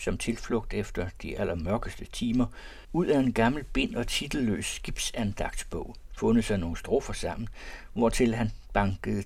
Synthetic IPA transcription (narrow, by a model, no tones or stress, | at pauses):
sɒ̽mt͡sʰe̝lflɔ̽ɡ̥̚d̥efd̥ɐd̥iʔæl̰ɐmɶɐɡ̥əsd̥ət͡sʰiːmɐ | uð̰ˠæe̝nɡ̥ɑ̈ml̩b̥e̝n̰ɒ̽t͡sʰid̥l̩ːø̰ːsːɡ̥ib̥sænd̥ɑ̈ɡ̥̚d̥sb̥ɔ̰ʊ̰fɔ̽nð̩ˠsæno̝ːnsd̥ʁɔfɐsɑ̈m̰n̩ | ʋɒt͡sʰe̝lɦænb̥ɑ̈ŋɡ̥əð̩ˠ